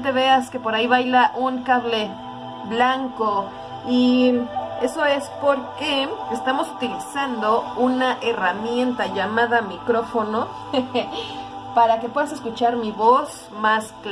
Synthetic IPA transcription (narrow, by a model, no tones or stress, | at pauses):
t̪̬e̞βe̞aske̞po̞ɾaiβajlaʔuŋkaβle̞ | βlaŋko | i | e̞so̞e̞spo̞ɾkeest̪amo̞sut̪ilisand̪o̞unaʔeramje̞nt̪aʝamaðamikɾo̞fo̞no̞ | paɾake̞pwe̞ðas̬e̞skut͡ʃaɾmiβo̞s | mask